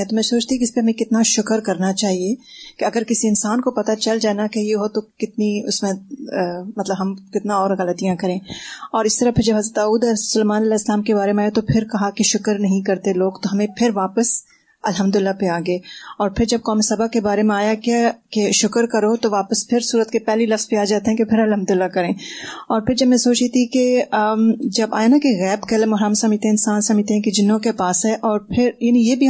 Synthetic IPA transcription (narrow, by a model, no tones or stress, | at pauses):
ɛt̪omɛ̃soːt͡ʃt̪iɛkɪspeɦɐmẽkɪt̪naʃʊkəɾkɐɾnat͡ʃaːɦiekeɐɡəɾkɪsiɪnsaːnkopɐt̪at͡ʃɐld͡ʒaːnakejeɦot̪okɪt̪niʊsmẽ | mɐt̪ləbɦɐmkɪt̪nãɔːɾɣɐlət̪ijãkɐɾẽːɔːɾɪst̪ɐɾapʰɪɾd͡ʒɐbɦɐzɾət̪aːuːd̪ɐɾsʊleːmaːnɐlɛːɪslaːmkebaːɾemẽaːjet̪opʰɪɾkɐɦakeʃʊkəɾnɐɦĩkɐɾt̪eloːɡt̪oɦɐmẽpʰɪɾʋaːpəs | ɐlɦɐ̃md̪ʊɪlːapeaːɡɐeːɔːɾpʰɪɾd͡ʒɐb̚kɔːmisɐbakːebaːɾemẽaːjakakeʃʊkəɾkɐɾot̪oʋaːpəspʰɪɾsuːɾət̪kepɛɦlilɐfz̥biaːd͡ʒaːt̪eɦɛ̃kepʰɪɾɐlɦɐ̃md̪ʊɪlːakɐɾẽːɔːɾpʰɪɾd͡ʒɐbmɛ̃soːt͡ʃet̪ʰike | d͡ʒɐba̰ːjanakeɣɛːbkelemʊɦɾaːmsɐmd͡ʒt̪eɛ̃ɪ̃nsaːnsɐmd͡ʒt̪eɦɛ̃ked͡ʒɪnõkepaːsɦɛʔɔːɾpʰɪɾjaːnĩjebʱi